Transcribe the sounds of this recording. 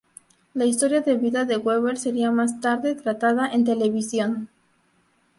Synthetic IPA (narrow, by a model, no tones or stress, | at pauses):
lais̬t̪o̞ɾjaðe̞βiðaðe̞ɣweβeɾse̞ɾiamast̪aɾðe̞t̪ɾat̪að̞aʔe̞nt̪e̞le̞βisjo̞n